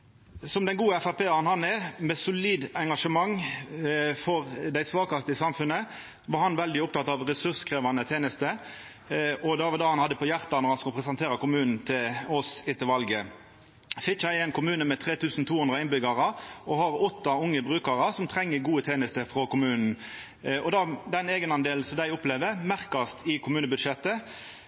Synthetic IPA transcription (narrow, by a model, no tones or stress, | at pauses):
sɔmd̪ɛnɡuːəɛfæʁpʰeːɑnhɑnɛmɛsʊliːd̪ɛŋɡɑʂəmɑŋː | fɔʁd̪æɪsʋɑːkɑst̪əsɑmfʉnːə | ʋɑːɾhɑnʋɛld̪ɪɔp̚t̪ɑt̪ɑʋɾɛsʉskʰʁeːʋɑnət̪ʰeːnəst̪ə | ʔɔd̪ɛɑʋd̪ɑːhɑnhɑd̪ːəpɔjæʁt̪ɑnɔʁhɑnskʊlpʰʁɛsɛnt̪ʰeːɾɑkʊmʉːnn̩t̪ʰɪlɔsɪt̪ɪlʋɑlɡə | fɪkːææɪnkʊmʉːnəmɛt̪ʰʁeːt̪ʰʉːsn̩t̪ʰuːhʉnd̪ɾɑɪnbʏɡɑʁəɔhɑɾɔt̪ːɑʊŋːəbʁʉːkɑɾəsɔmt̪ʰʁɛŋːəɡuːət̪ʰeːnəst̪əfɾɔkʊmʉːnn̩ | ɔd̪ɑd̪ɛneːɡənɑnd̪eːln̩sɔd̪æɪʊpleːʋəmæʁkɑst̪ʰɪkʰʊmʉːnəbʉd̪ʂɛt̪ːə